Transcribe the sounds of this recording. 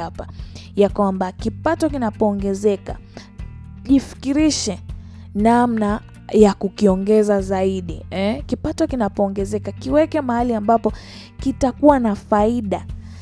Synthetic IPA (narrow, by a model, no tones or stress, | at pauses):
apajakwambakipatɔkinapɔːŋɡɛzɛka̰ | ʄifi̥kiɾiʃɛ | namna | jakukiɔŋɡɛzazaiɗiɛkipatɔkinapɔːŋɡɛzɛkakiwɛkɛmahaliambapɔ | kitakuwanafaiɗa